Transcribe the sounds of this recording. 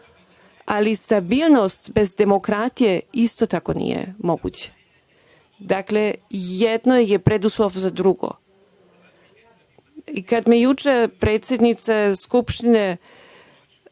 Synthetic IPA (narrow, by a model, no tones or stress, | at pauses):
alist̪abiːlˠnost̪be̞zd̪e̞mo̞kɾat̪ijeist̪ot̪ako̞nḭjḛmo̞ɡṵt͡ɕe̥ | d̪aklejed̪nojepɾed̪uslofzad̪ɾuɡo̞̰ | ikad̪mejut͡ʃepɾeːt̪sʲjed̪nit̪saskupʃt̪ine